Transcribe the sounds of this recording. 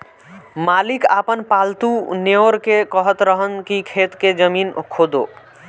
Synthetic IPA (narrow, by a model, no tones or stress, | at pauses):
malika̰pənpalt̪uneoɾkekəɦət̪ɾəɦənkikʰet̪ked͡ʒəminkʰod̪o̰